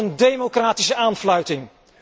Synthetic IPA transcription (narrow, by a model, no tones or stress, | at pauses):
əndejmokraːtisəʔaːnflœɥtɪŋ